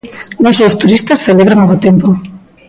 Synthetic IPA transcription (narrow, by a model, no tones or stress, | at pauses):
nõsowst̪uɾist̪ɐsθeleβɾaŋaɣot̪empo